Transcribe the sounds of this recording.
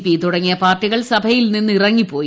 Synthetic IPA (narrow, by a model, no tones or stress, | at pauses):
piːt̪uɽɐŋːijɐpaːrʈːiɣɐɭsɐbʱɐjilninːɨirɐŋːipːo̞ːji